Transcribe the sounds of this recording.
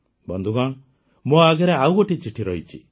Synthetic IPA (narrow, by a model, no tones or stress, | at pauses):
bɔnd̪ʱuɡaɳ | moaɡɛɾeawɔʈit͡ʃiʈʰiɾɔɦit͡ʃʰḭ